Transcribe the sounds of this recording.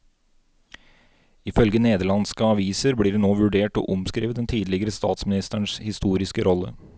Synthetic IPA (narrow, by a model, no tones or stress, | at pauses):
ɪfœlɡəneːd̪əɭɑnskəɑʋiːsəɾbliːɖnoːʋʉɖeːʈo̰ːʔʊmskɾiːʋət̪d̪ɛnt̪ʰiːd̪lɪɡəɾəst̪ɑːt̪smɪnɪst̪əɳshɪst̪uːɾɪskəɾʔɔlːə̰